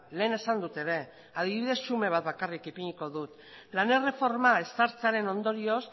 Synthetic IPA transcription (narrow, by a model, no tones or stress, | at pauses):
le̞ːne̞sand̪ut̪e̞ɾe̞ | að̞iβiðe̞sːume̞β̞at̪̚βakarikipiɲiko̞ðut̪ | lanere̞fo̞ɾmae̞st̪aɾt͡saɾe̞no̞nd̪o̞ɾio̞s